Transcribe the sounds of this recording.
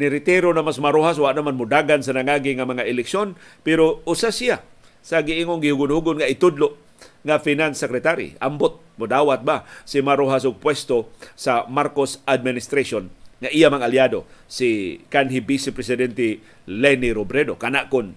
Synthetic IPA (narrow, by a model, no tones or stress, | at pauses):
nɪɾɪt̪ɛɾonamasmaɾoɦas̬waʔnamanmʊd̪aɡansanaŋaɡɪŋamaŋaʔɪlɪksjonpɛɾoʊsasija | saɡɪʔiŋonɡɪhʊɡʊnhuɡʊnŋaɪt̪ʊd̪lʊʔ | ŋafinansɛkɾɛt̪aɾḭambʊt̪̚mʊd̪awat̪̚basɪmaɾoɦasʊɡ̚pwɛst̪osamaɾkosad̪̚mɪnɪst̪ɾasonŋaʔijamaŋaljadosikanɦɪbisɪpɾɛsɪdɛnt̪ɛ | lɛniɾobɾɛdokanaʔkʊn